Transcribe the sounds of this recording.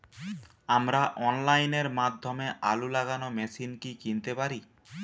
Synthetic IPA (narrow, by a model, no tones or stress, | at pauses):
amɾaʔɔnlajneɾmad̪ʱːomeʔa̰lulaɡanomɛsinkikint̪epaɾi